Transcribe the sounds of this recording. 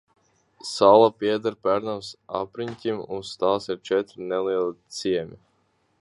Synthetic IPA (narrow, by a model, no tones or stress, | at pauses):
salˠapiɛd̪aɾpæɾnamsa̰pɾiɲkʲimunst̪aːsiɾt͡ʃɛt̪ɾnɛliɛlˠit̪siɛmʲi